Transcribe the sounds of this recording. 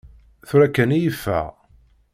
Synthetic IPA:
θɾækːənijəfːæ̰ʁ

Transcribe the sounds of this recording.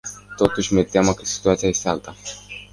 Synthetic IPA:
t̪o̞t̪uʃʲmet̪ʲeaməkəsi̥t̪uat̪sijaje̞st̪ealt̪a

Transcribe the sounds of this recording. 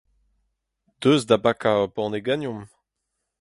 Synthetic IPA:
d̪̥øːzd̪abakabɔ̃ʁneɡanjɔ̃m

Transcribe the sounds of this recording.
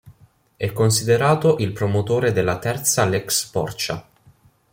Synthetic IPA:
ɛkːons̬id̪eɾaːt̪oʔilpɾomot̪oːɾed̪elːat̪ɛrt̪salɛkspɔ̰rt͡ʃa̰

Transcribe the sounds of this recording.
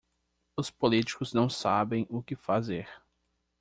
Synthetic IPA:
ʊspolit͡ʃi̥kʊznɐ̃w̃sabẽj̃ʊkɪfazeɾ

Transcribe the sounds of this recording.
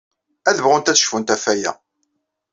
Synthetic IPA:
æðəvʁʊnt̪æθʃfunt̪æfæjæ̰

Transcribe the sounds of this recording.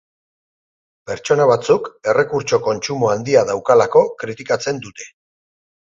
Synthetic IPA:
pe̞ɾt͡ʃo̞naβat͡suke̞re̞kuɾt͡ʃo̞ko̞nt͡ʃumoand̪iaðawkalako̞kɾit̪ikat͡se̞nd̪ut̪e̞̥

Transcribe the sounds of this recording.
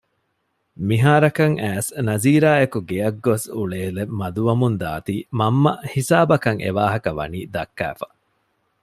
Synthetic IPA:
miɦaːɾɐkɐŋæːsnɐziːɾaːekuɡeɐɡːosuɭeːlemːɐd̪uʋɐmund̪a̰ːt̪iːmɐmːɐhisaːbɐkɐŋʔḛʋaːɦɐkɐʋɐ̰niːd̪ɐkːæ̰ːfɐ̥

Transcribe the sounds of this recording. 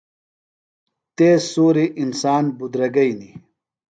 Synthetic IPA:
t̪eːsoːɾiʔinsaːnbud̪ɾɐɡɐini

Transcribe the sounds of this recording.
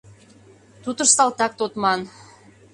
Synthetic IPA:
t̪ut̪ə̆ɾsɑlˠt̪ɑk̚t̪ot̪mɑn

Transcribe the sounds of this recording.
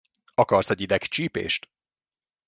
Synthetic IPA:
ɒkɒrsɛɟid̪ɛkt͡ʃiːpḛːʃt̪

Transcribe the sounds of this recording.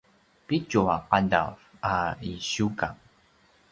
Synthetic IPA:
pit͡ʃuaqada̰faiɕuka

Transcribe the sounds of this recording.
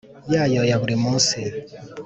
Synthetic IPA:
jajɔjaβuɾimusi

